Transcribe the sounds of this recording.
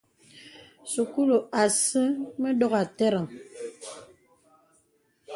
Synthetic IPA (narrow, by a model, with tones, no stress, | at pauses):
su˨ku˦lo˨a˨sɨ˦mə˦dɔ˦ɣa˨tɛ˦ɾa˨ŋ